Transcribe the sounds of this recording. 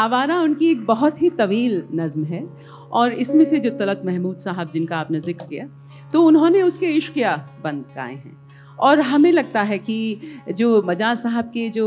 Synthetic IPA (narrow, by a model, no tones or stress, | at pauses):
aːʋaːɾaʊnkieːk̚bɐɦʊt̪ɦit̪ɐʋiːlnɐzmɦɛ | ɔːɾɪsmẽsed͡ʒoːt̪ɐlət̪mɛɦmuːd̪saːɦəb̚d͡ʒɪnkaaːpnezɪkɾkija | t̪oʊnɦõneʊskeɪʃkijabɐ̃nd̪̚ka̰ːḛɦɛ̰̃ː | ɔːɾɦɐmẽlɐɡ̚t̪aɦɛkid͡ʒoːmɐd͡ʒaːsaːɦəb̚ked͡ʒoː